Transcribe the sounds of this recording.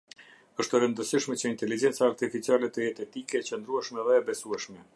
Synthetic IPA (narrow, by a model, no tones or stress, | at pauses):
əʃt̪əɾənd̪əsiʃmɛt͡ɕəint̪ɛlid͡ʑɛnt͡saːɾt̪ifit͡sialɛt̪əjɛt̪ɛt̪ikɛt͡ɕənd̪ɾuɛʃmɛðɛːbɛsuɛʃmɛ